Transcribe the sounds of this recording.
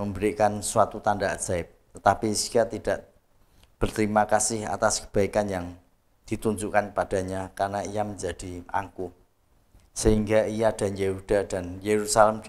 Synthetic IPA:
məmbəɾikansuwat̪ut̪andaʔz̥aɪp̚t̪ət̪apisijat̪id̥aʔ | b̥ərt̪əɾimakasɪha̰t̪askə̥b̥a̤ikanjaŋ | d̪̥i̤t̪uɲd͡ʒuʔkankəpad̥a̤ɲakarnaijaməɲd͡ʒad̥ia̰ŋku | səhiŋɡaijad̥a̤njeɦud̥a̤d̥a̤njeɾusalɛm

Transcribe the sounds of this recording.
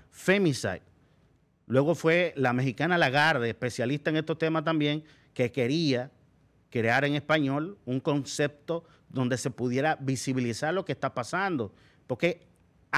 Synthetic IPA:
femĩsa̰jt̪ | lwe̞ɣo̞fwe̞lame̞xikanalaɣaɾðeːspe̞sjalist̪ae̞ŋe̞st̪o̞st̪emast̪ambje̞ŋ | ke̞ke̞ɾia | kɾe̞aɾe̞ŋe̞spaɲo̞luŋko̞nse̞p̚t̪o̞ | ðo̞nd̪ese̞puðje̞ɾaβisiβilisaɾlo̞kest̪apasand̪o̞ | po̞ɾke̞

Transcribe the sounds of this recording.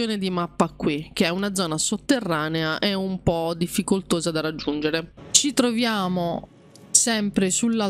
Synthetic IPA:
joːned̪imapːakːwik̟eɛunad̪zɔːnasot̪ːerːaːneaʔɛumpɔd̪ifːikolt̪oːzad̪aɾad͡ʒːund͡ʒeɾet͡ʃit̪ɾovjaːmo | sɛmpɾesulːa

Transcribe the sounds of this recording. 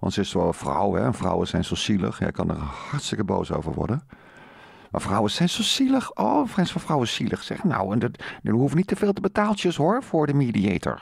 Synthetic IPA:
ʋɑ̰̃ntsəɪstʋɛlˠənfrʌwɦɛ̰ənvrɔ̰wəsɛjnsosilə̰χja̰kɑndə̰ɹhɑɹtstɪkəbo̰wso̰wvə̰ɹʋɔ̰ɹdən | ma̰frɔwəsɛjnsosiləχʔoːfrɛjnsfɑfrɔwəsilʔəχsɛ̰χəno̰wɛndədəɦufnitəveːlˠtəbətaːlˠt͡ʃəsɦʊɹv̥ʊːɹdəmidiejtə̰ɹ

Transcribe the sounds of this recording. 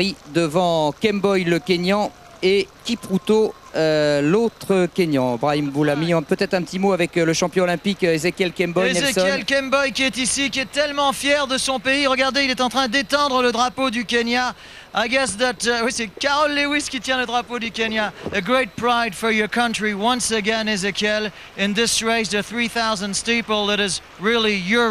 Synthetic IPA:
id̪əvɑ̃kʲɛmbɔjləkenjɑ̃ | ekʲipχut̪o | ølot̪χəkʲeɲjɑ̃bʁaimbulamiɔ̃pøt̪ɛt̪χɛ̃pət̪imoavɛkləʃɑ̃pjɔ̃lɛ̃pikezekʲɛlkʲɛmbɔjeɛzeɛlkɛmbɔjkʲiɛt̪isikʲiɛt̪ɛlmɑ̃fjɛʁd̪əsɔ̃peiʁəɡaʁd̪eilɛt̪ɑ̃t̪χɛ̃d̪et̪ɑ̃d̪ʁələd̪ʁapod̪ykʲenja | ajɡɛsðæt̪wisɛkaʁɔlːewiskʲit̪jɛ̃ləd̪ʁapod̪ykenjaəɡɹet̚pɹajd̪̥fɔɹjɔkʌ̃ntɹiwʌ̃nsəɡɛ̃nɪzekʰɛl | ɪ̃nðɪsɹeɪsdəθɹiθaʊzə̃ndstepəlˠðæɾɪz | ɹɪlˠijɔ

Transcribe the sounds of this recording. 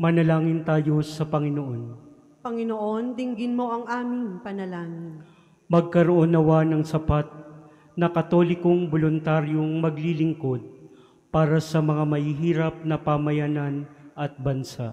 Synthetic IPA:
mɐnɐlaːŋɪnt̪aːjo̞sɐpɐŋɪnoʔo̞n | pɐŋɪnoʔond̪ɪŋɡɪnmo̞ʔɐŋʔaːmɪŋpɐnɐlaːŋɪn | mɐɡ̚kɐɾoʔonɐwanɐŋsɐpat̪̚ | nɐkɐt̪o̞lɪkoŋbolʊnt̪aɾjoŋmɐɡlilɪŋko̞d̪̚ | paːɾɐsɐmɐŋamɐhiːɦiːɾɐp̚nɐpamɐjananʔɐt̪̚bɐnsaʔ

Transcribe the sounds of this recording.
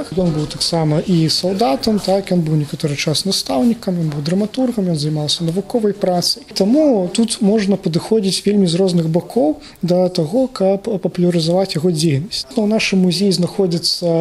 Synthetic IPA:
jɔnbɨwt̪aksamɐʔisawd̪at̪ɐmt̪akjɔnbɨwnʲɛkat̪ɔɾɨt͡ʂasnast̪awnʲikɐmjɔnbɨwd̪ɾɐmat̪urɣɐmjɔnzɐjmalˠsʲɐnɐvukɔvɐjpɾat̪sɐjt̪amut̪ut̪mɔʐnɐpɐd̪ɨxɔd͡zʲit͡sʲvʲelʲmʲizrɔznɨɣbakʰɔw | d̪ɐt̪aɣɔkʰɐpːɐpulʲɐɾɨzavat͡sʲjɐɣɔd͡zʲejnɐsʲt͡sʲnɐwnaʂɨmːuzʲejiznaxɔd͡zʲit̪sːɐ

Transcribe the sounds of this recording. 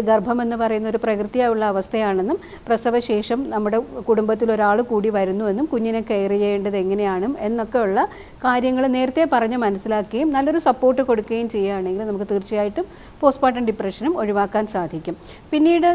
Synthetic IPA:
ɡɐrbʱɐme̞nːɨpɐrɐjunːɐoɾuprɐkrɨt̪ːijaːjuɭːɐːʋɐst̪ʰɐjaːɳe̞nːum | prɐsɐʋɐɕe̞ːʂɐmnɐmːuɽe̞kuɽumbɐt̪ːilo̞ɾaːɭɨkuːɽiʋɐɾunːue̞nːumkuɲːinekːeːjrijejeːɳɖɐðe̞ŋːɐne̞jaːɳume̞nːo̞kːe̞juɭːɐ | kaːɾjɐŋːɐɭne̞ːɾɐt̪ːe̞pɐrɐɲːɐmɐnɐsːilaːkːɐjumnɐlːo̞ɾusɐpːo̞ːrʈːɨko̞ɽukːuɣɐjumt͡ɕe̞jːaaːɳe̞ŋɡilnɐmukːɨt̪iːrt͡ɕijaːjiʈːum | po̞ːspaːʈ̬ːɐnɖipreʂɐnumo̞ɻiʋaːkːaːnsaːd̪ʱikʲːum | pinːiːɽɨ

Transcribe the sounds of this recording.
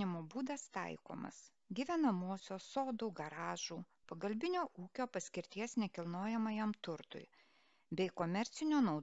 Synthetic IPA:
ɪmoːbuːd̪ɐst̪ɐ̰ɪko̰ːmɐ̰s | ɡʲiʋʲɛnɐmoɔsʲoːsoːd̪uːɡɐɾɑːʒuː | pɐɡɐlʲbʲɪnʲoːʔuːkʲoːpɐsʲkʲɪɾʲt̪ʲiɛsnʲɛkʲɪlˠnoːjɛmɐjɛmt̪ʊɾt̪ʊ̰ɪ | bʲɛɪkomʲɛɾʲt̪sʲɪnʲoːnɒʊ

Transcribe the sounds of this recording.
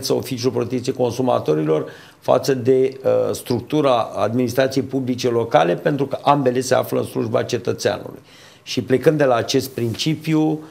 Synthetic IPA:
t̪səofit͡ʃiulpɾot̪ek̚t̪sijeko̞nsuma̰t̪o̞ɾilo̞r | fa̰t̪səd̪e̞st̪ɾuk̚t̪uɾaa̰d̪minist̪ɾat̪sije̞jpublit͡ʃe̞lo̞kale̞pe̞nt̪ɾukəʔambe̞le̞se̞a̰fləɨ̰nsluʒba̰t͡ʃe̞t̪ət̪sea̰nṵlṵj | ʃiple̞kɨnd̪d̪e̞laːt͡ʃe̞st̪̚pɾint͡ʃipju

